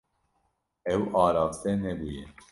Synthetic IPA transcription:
ɛwɑːɾɑːft̪ɛnɛbujɛ̰

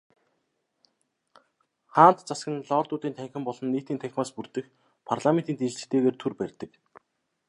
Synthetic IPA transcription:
χaːnt̪t͡sasɡə̆nɮɔːrt̪ʊːt̪iːnt̪ʰæŋxʲɪ̆mpɔɮɞ̆nːiːt̪iːnt̪ʰæŋxʲmaːspurt̪ɘ̆x | pʰarɮament̪iːnt̪eɮt͡ɕɘ̥̆kt̪ʰeːɣeːrt̪ʰurpærʲt̪ɘ̆k

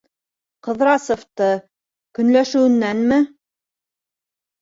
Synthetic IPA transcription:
qɤ̆ðɾɑsŏft̪ɤ | kɵ̆nlæʃɘ̆wɘ̆nːænmɘ

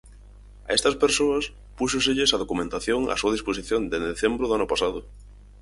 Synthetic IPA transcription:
a̰est̪ɐspeɾsoɐs | pusʊseʎesaðokumẽnt̪aθjoŋa̰suɐðisposiθjond̪end̪eθembɾʊðʊanʊpasaðʊ

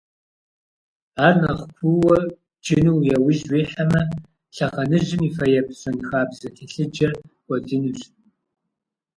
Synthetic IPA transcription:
aːrnɐχʷkʷʰʊwɐ | d͡ʒɪnuwjɛwɪʒwiːħamɐ | ɬɐχɐnɨʑɪmifɐjɛpʰɕɐnixaːbzɐtʰeɬɨd͡ʒɐrwʷɐdɨnuɕ

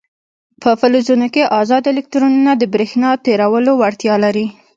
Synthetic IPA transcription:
pəfəlozunokeʔɑzɑd̪elɪk̚t̪ɾununad̪əbɾexnɑt̪eɾawəlowaɽt̪jɑlaɾi

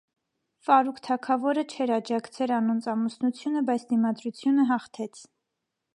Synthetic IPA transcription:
fɑɾukʰt̪ʰɑkʰɑvɔɾət͡ʃʰɛɾɑd͡ʒɑkt͡sʰɛlɑnɔnt͡sʰɑmusnut͡sʰjunəbɑjt͡sʰd̪imɑd̪ɾut͡sʰjunəɦɑχt̪ʰɛt͡sʰ

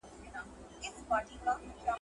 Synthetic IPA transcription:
ɪspaːɾʈikaa

